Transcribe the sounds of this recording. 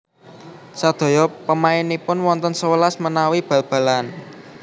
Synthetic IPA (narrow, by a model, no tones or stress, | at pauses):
sad̪̥o̤jɔpəmaɪnipʊnwɔnt̪ɔnsəwəlasmənawib̥ä̤lb̥a̤lan